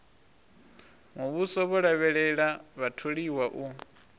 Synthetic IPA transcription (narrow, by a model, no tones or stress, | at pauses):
muβusɔβɔɺaβɛɺɛɺaβatʰoɺiwaʔu